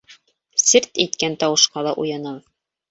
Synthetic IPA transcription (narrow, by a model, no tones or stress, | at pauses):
sɘɾt̪it̪kænt̪ɑwɤ̆ʃqɑlˠɑʔujɑnɤlˠ